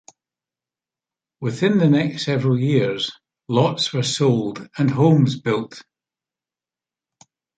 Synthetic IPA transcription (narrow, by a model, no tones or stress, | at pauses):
wɪθɪ̃nðənɛkstːɛvɹəlˠjiɹz̥ | lˠɔtswə˞solˠdə̃nɦõmzbɪlˠt